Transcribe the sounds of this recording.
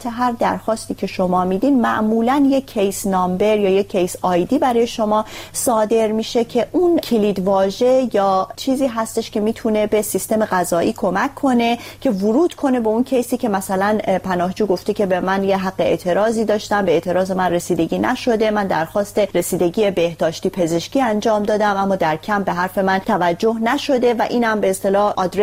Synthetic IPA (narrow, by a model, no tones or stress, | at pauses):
t̪ʰeɦæɾd̪æ̰ɾxɒːst̪iːcʰe̞ʃo̞mɒːmid̪id̪mæ̰ʔmuːlænjecʰːejsnɒːmbe̞ɾjɒːje̞cʰːejsɒːjd̪iːbæɾɒːje̞ʃo̞mɒːsɒːd̪e̞ɾmiːʃe̞cʰe̞ʔuncʰiliːd̪vɒːʒe̞jɒːt͡ʃʰiːziːɦæst̪e̞ʃcʰe̞miːt̪ʰune̞be̞sist̪e̞me̞ɢæzɒːʔiːkʰo̞mækʰːo̞ne̞cʰe̞vʊɾuːd̪̥kʰo̞ne̞beuncʰe̞jsiːcʰe̞mæsælænpʰænɒːhd͡ʒuːɡo̞ft̪ecʰe̞bemænjeɦæɢːeḛːt̪ʰe̞ɾɒːziːd̪ɒːʃt̪æmbeeːt̪ʰe̞ɾɒːze̞mænresiːd̪e̞ɟiːnæ̰ʃo̞d̪e̞mænd̪æɾxɒːst̪e̞ɾesiːd̪e̞ɟije̞be̞hd̪̥ɒːʃt̪iːpʰe̞ze̞ʃciːænd͡ʒɒːmd̪ɒːd̪æmʔæmːɒːd̪æɾcʰæmbe̞ɦæɾfe̞mænt̪ʰævæd͡ʒːo̞hnæʃo̞d̪e̞væʔiːnhæmbe̞ːst̪e̞lɒːhʔɒːd̪ɾe